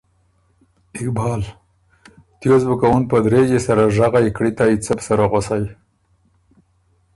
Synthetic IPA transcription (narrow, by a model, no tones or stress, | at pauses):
ɪkbɑːl | t̪jozbukawunpəd̪ɾed͡ʒesaɾaʒaɣajkɽit̪ait͡səpsaɾaɣosaj